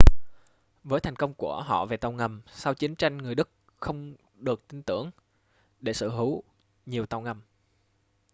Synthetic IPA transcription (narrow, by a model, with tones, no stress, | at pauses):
vəː˨˦jt̪ʰa˨˩jŋ̟kə˧wŋ͡mku˧˩əɦɔ̰˧˨ve˨˩t̪a˧˩wŋə˨˩msa˧wt͡ɕi˨˦ənt͡ɕa˧jŋ̟ŋɨ˨˩əjɗɨ˦˥k̚ | xə˧wŋ͡m | ɗɨ˨˩ək̚t̪ï˧nt̪ɨ̰˧˩əŋ | ɗe˧˩sɨ̰˧˨hi˨˦w | ɲi˨˩əwt̪a˧˩wŋə˨˩m